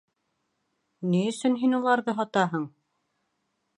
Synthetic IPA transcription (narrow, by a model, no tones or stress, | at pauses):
niɵ̆sɵnɦinulˠɑɾðɤɦɑt̪ɑɦɤɴ